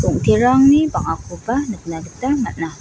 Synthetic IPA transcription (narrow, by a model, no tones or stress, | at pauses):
kuŋt̪iɾaŋniba̰ŋakubahnəkənabət̪amaʔnah